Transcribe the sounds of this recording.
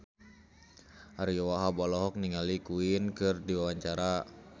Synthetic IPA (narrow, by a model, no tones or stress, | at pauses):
ʔaɾiɔwaɦabɔlɔɦɔk̚niŋalikuinkɨrdiwawaɲt͡ʃaɾa